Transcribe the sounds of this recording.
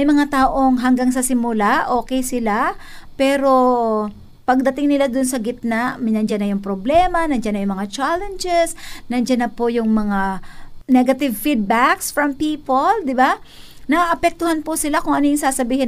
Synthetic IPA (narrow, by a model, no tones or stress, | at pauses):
ɐjmɐŋat̪aːʔo̞ŋɦɐŋɡaŋs̬ɐsɪmʊlaʔo̞ːkɛjsɪlapɛːɾo̞ | pɐɡ̚d̪ɐt̪ɪŋnɪlad̪ʊnsɐɡɪt̪̚naʔmnɐnd͡ʒanːɐjʊŋpɾoblɛːmɐnɐnd͡ʒanːɐjʊŋmɐŋat͡ʃalɛnd͡ʒɛsnɐnd͡ʒanɐpojʊŋmɐŋanɛɡɐt̪ɪvfid̪̚baksfɹɐmpiːpold̪ɪba | nɐʔɐpɛk̚t̪ʊhanpʊsɪlakʊŋʔɐnojʊŋsaːsɐbiːhɪ